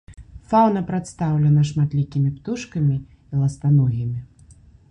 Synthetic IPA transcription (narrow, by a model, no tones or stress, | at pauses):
fawnɐpɾat̪st̪awlʲɐnɐʂmat̪lʲikʲimʲipt̪uʂkɐmʲi | ilˠɐst̪anɔɣʲimʲi